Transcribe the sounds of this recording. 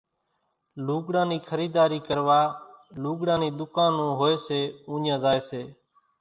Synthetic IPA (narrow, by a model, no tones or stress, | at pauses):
luːɡɽãːniːkʰəɾiːd̪aːɾiːkəɾʋaːluːɡɽãːniːd̪ʊkaːnõːɦoːeːseːũːɲjãːzaːeːseː